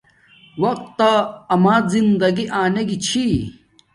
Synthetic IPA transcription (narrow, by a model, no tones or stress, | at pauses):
wɐq̚t̪ːaɐmaːzind̪ɐɡiʔaːneɡit͡ɕʰi